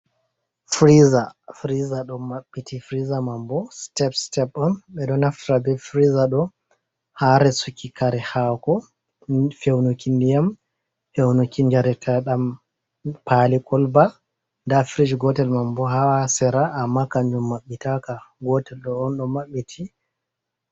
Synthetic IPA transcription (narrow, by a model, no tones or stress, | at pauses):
fɾizafɾizaɗɔmaɓːitʰifɾizamambɔstɛpstɛpɔnɓɛɗɔnaftiɾabɛfɾizaɗɔ | haɾɛsukːikaɾɛhakɔ | fewnukindijam | fewnukiɲd͡ʒaɾɛtʰaɗam | palikʰɔlba | ndafɾid͡ʒɡɔtɛlmambɔɦawasɛɾaʔːmːakaɲd͡ʒumːaɓːitakaɡɔtɛlɗɔːnɗɔmaɓːitʰi